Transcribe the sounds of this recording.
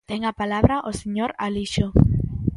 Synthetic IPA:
t̪eŋapalaβɾaʔoseɲoɾaliʃo

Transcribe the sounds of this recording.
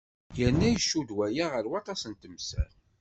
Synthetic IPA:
jənːæjəʃːud̪wæjaʁəɾwɑt̪ˤɑsənt̪əmsæ̰ɾ

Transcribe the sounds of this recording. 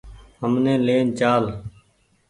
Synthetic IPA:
ɦəmnẽːleːnt͡ʃaːl

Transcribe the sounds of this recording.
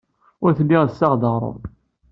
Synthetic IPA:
ʊɾθlːiʁsːɑʁd̪əʁɾˤo̰ð

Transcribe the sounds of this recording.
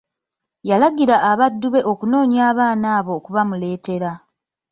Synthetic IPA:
jalaɡiɾaʔːβadːuβe̞ʔo̞kuno̞ːɲjaːβaːnaːβo̞ːkuβamule̞ːte̞ɾa

